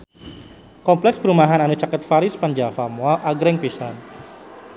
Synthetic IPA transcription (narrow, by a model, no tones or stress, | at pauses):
kɔmplɛksbəɾumaɦananut͡ʃakət̪faɾɪspand͡ʒafamuaʔaɡɾɛŋpisan